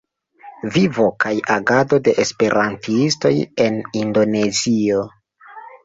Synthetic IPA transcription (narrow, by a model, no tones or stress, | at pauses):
vivo̞kʰajaɡado̞de̞ʔespe̞ɾʔantiisto̞je̞nindo̞ne̞zio̞